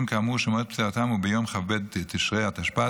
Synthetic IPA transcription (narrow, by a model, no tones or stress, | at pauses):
mkamuʃomot̪pt͡seʁat̪amubejomχaved̪t̪iʃʁeat̪aʃpa